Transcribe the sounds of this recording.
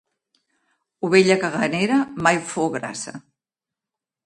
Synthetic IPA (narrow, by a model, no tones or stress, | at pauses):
uβeʎəkəɣaneɾəmajfoɣɾa̰sɐ̰